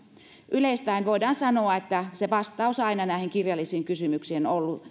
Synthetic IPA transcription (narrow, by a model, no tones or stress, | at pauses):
ʔyleist̪æinʋoidɑːnsɑnoɑet̪ːæseʋɑst̪ɑusɑinɑnæˑiheŋkirjɑlːisiːŋkysymyksienolːu